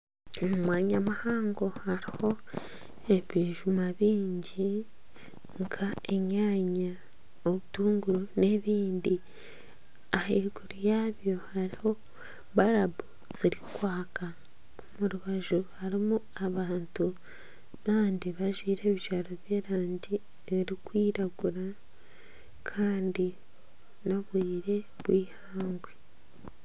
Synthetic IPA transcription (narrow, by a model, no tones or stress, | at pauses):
omumwaːɲamahaːŋɡo̞haɾiho̞ | eβiʒumaβiːɲɟi | ŋkʰae̞ɲaːɲa | oβutuːŋɡuɾune̞βiːndi | aheɡuɾijaːβjo̞haɾiho̞ | βaɾabu | z̥iɾikwaːka | omuɾuβaʒuhaɾimu | aβaːntu | naːndiβaʒwiːɾe̞ːβiʒaɾo̞βje̞ːɾaːɲɟi | eɾikwiːɾaɡuɾa | kʰaːndi | naβwiːɾe̞ | βwiːhaːŋɡwe